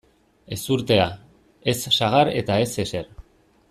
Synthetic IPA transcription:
e̞suɾt̪e̞a | e̞sːaɣ̞aɾe̞̰t̪ae̞se̞se̞ɾ

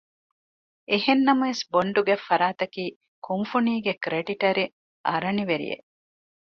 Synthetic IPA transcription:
ehenːɐmɐesboɳɖuɡefːɐɾaːt̪ɐkiː | kumfuniːɡekɾeɖiʈɐɾi | ɐɾɐniʋeɾḭjḛ

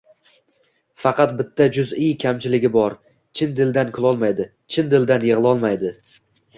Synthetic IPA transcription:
fɑqʰɑt̪̚bɪt̪ʰːad͡ʒʊzɪjkʲʰamt͡ʃʰɪlɪɡʲɪbɒɾ | t͡ʃʰɪnd̪ɪld̪ankʰʊlˠɒlˠmajd̪ɪ | t͡ʃʰɪnd̪ɪld̪anjɪʁlˠɒlˠmajd̪ɪ

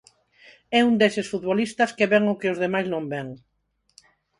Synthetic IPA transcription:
ɛund̪esɪsfut̪βolist̪ɐskeβɛŋʊkɪʊzðemajznõmbɛŋ

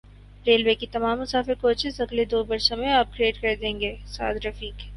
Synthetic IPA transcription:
ɾeːlwekit̪ɐmaːmːʊsaːfɪɾkoːt͡ʃɪzɐɡled̪oːbɐɾʃõmẽaːp̚kɾieːʈkɐɾd̪ẽːŋɡeːsa̰ːd̪ɾɐfiːk

